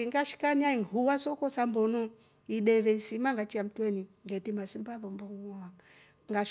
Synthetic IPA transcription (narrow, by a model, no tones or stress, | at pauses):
iŋɡaʃi̥kaniaiŋhuwasɔkɔsambɔnu | iɗɛvɛisimaŋɡat͡ʃiam̩twɛniŋɡɛtimasimbaðɔmbɔŋɔa | ŋɡaʃ